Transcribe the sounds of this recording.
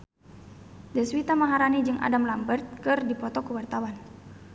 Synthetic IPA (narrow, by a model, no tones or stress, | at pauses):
dɛswit̪amaɦaɾanid͡ʒɨŋʔa̰damlambərt̪̚kɨrdipɔt̪ɔkuwart̪awan